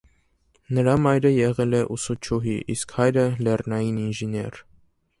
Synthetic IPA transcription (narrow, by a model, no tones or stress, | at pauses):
nəɾɑmɑjɾəjɛʁɛlɛʔusut͡ʃʰuɦiʔḭskhɑjɾəlɛrnɑjininʒinjɛɾ